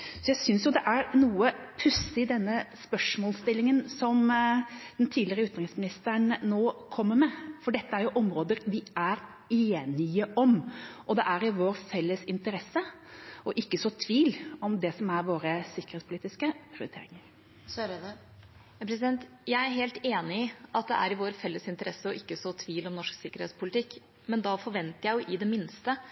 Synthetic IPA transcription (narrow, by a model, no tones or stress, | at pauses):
sɔjæɪsʏnsjʊd̪ɛʔæɾnuːəpʰʉsɪd̪ɛnːəspœʂmɔːlst̪ɪlːɪŋənsɔm | d̪̥ɛnt̪ʰiːd̪lɪɾəʉːt̪ɾɪŋsmɪnɪst̪əɳnoːkʰɔmːəɾmɛfɔɖɛt̪ːəæɾjʊʔɔmɾoːd̪əɾʋɪæɾ | eːnɪəʔɔmʔɔd̪ɛʔæɾɪʋoːɾfɛlːəsɪnt̪əɾɛsːəʔɔʔɪkːəsɔt̪ʰʋiːlɔmd̪ɛsɔmæɾʋoːɾəsɪkːəɾhet̪spʰʊliːt̪ɪskəpʰɾɪʊ̰ːɾɪt̪ʰḛːɾɪŋəɾ | pʰɾɛsɪd̪ɛnt̪ | jæɪæɾɦeːlt̪eːnɪɪʔɑt̪̚d̪ɛʔæ̰ɾɪʋoːɾfɛlːəsɪnt̪əɾɛsːəɔʔɪkːəsɔt̪ʰʋiːlɔmnɔʂksɪkːəɾhḛtspʊlɪt̪ʰɪkː | mɛnd̪ɑfɔɾʋɛnt̪əɾjæɪʊʔɪd̪ɛmɪnst̪ə